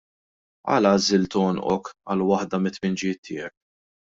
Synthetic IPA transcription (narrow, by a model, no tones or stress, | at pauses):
ɐ̰ːlɐzɪlt̪ɔːnʔɔ̰kɐ̰lwɐħd̪ɐmɪt̪ːmɪnd͡ʒɪjɪːt̪ʰːɪ̰ːjɛk̚